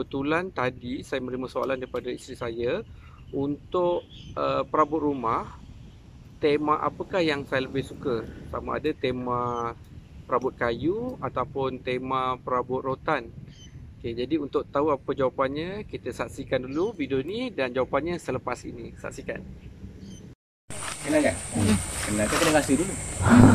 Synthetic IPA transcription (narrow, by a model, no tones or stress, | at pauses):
bət̪ulant̪adisajəmə̃ɾiməsoa̰landaɾipadaist̪ɾisajə | unt̪ʊʔəpəɾabʊt̪̚rumah | t̪emaʔa̰pəkahjaŋsajələbɪhsukəsama̰a̰dət̪emã | pəɾabʊt̪̚kajuat̪awpʊnt̪emãpəɾabʊt̪̚rot̪an | ked͡ʒadiunt̪ʊʔ̚t̪auapəd͡ʒawapanɲə̃kit̪əsaʔsikandulubidonidand͡ʒawapanɲəsələpasḭnisa̰ʔsika̰n | kənakakənak̪ak̪ələɡasidulu